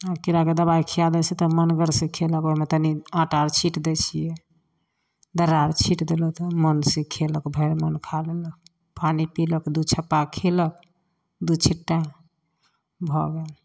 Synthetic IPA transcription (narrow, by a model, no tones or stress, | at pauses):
akiɾaked̪əbaikʰiad̪ɛsẽt̪ɔmənɡəɾsẽkʰeləkomet̪əniaʈaɾt͡ʃʰiʈd̪et͡ʃʰijɛ | d̪əɾaɾt͡ʃʰiʈd̪elət̪ɔmənsẽkʰeləkbʱəɾmənkʰalelək̚ | panipiləkd̪ut͡ʃʰəpːakʰelək̚ | d̪ut͡ʃʰiʈːa | bʱɔɡel